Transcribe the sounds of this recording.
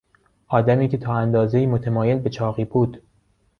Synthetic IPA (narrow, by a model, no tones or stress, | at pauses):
ʔɒːd̪æmiːcʲʰe̞t̪ʰɒːænd̪ɒːzeiːmot̪ʰemɒːje̞lbe̞t͡ʃʰɒːɣiːbuːd̪̥